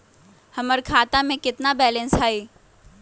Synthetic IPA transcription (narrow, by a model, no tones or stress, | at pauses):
hɐməɾkʰaːt̪amẽkɪt̪nabɛːlɛ̃nsaːeː